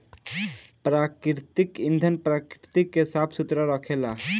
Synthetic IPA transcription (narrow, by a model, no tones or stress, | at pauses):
pɾaːkɾt̪ikĩnd̪ʱənpɾaːkɾɪt̪ikːesaːpʰsʊt̪ɾəɾəkʰeːla